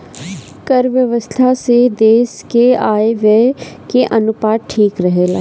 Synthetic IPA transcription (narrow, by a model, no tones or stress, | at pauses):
kəɾʋjəʋəst̪ʰased̪eːskeaːeʋekeʔɐnʊpaːʈ̪̚ʈʰiːkɾəɦeːla̰ː